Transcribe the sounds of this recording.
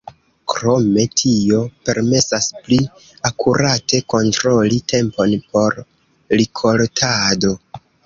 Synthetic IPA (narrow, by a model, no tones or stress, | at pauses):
kɾo̞me̞tʰio̞pe̞ɾme̞saspli | akuɾatʰe̞ko̞ntɾo̞litʰe̞mpo̞npʰo̞ɾ | likʰo̞ltʰado̞